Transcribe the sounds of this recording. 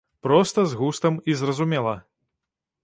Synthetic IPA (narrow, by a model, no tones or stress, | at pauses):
pɾɔst̪ɐzɣust̪ɐmizrɐzumʲɛlˠɐ